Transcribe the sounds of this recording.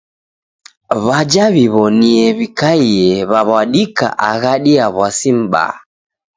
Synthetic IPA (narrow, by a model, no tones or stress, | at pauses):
βad͡ʒaβiβɔniɛβikaiɛβaβaɗika̰ʔaɣaɗiaβwasim̩ɓa̰